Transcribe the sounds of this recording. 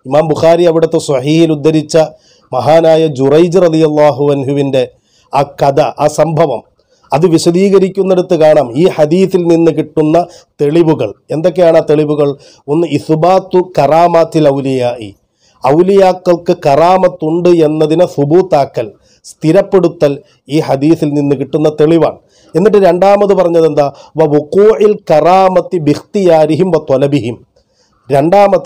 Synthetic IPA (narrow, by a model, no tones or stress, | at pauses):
imaːmbuxaːɾiɐʋiɽɐt̪ːe̞sɐħiːhilud̪ːɐɾit͡ɕːɐ | mɐɦaːnaːjɐd͡ʑurɐjd͡ʑrɐd̪ijɐlˠːaːɦuɐnɦuʋinde̞ | akɐdɐʔasɐmbʱɐʋɐ̰m | ɐðɨʋiɕɐðiːɣɐɾikʲːunːeɽut̪ːɨkaːɳaːmiːħɐd̪iːθilninːɨk̬iʈːunːɐt̪e̞ɭiʋuɣɐ̰ɭe̞nd̪o̞kːejaːɳaːt̪e̞ɭiʋuɣɐɭ | o̞nːɨiθbaːt̪ːukɐraːmaːt̪ːilɐwlijaːʔḭ | ɐwlijaːkːɐɭkɨkɐraːmɐt̪ːuɳɖɨe̞nːɐðinɐsubuːt̪ːaːkːɐl | st̪iɾɐpːe̞ɽut̪ːɐl | iːħɐd̪iːθilninːɨkiʈːunːɐt̪e̞ɭiʋa̰ːɳɨ | e̞nːiʈ̬ːɨɾe̞ɳɖaːmɐðɨpɐrɐɲːɐðend̪aːʋɐʋuquːʕilkɐraːmɐt̪ːibixt̪ijaːɾiɦimʋɐt̪ɔlɐbiɦim | ɾe̞ɳɖaːmɐð